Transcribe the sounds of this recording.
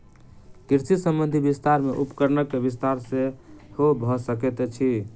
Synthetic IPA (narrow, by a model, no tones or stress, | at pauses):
kiɾsisəmbənd̪ʱibist̪aɾmeʔupkəɾnəkːebist̪aɾsẽhobʱɔsəket̪ɛt͡ʃʰi